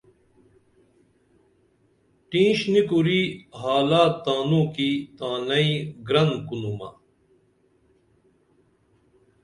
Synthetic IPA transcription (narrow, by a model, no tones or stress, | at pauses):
ʈĩːɕnikuɾiːɦaːlaːt̪aːnuːkiːt̪aːnɐiɡɾɐnkunumɐ̰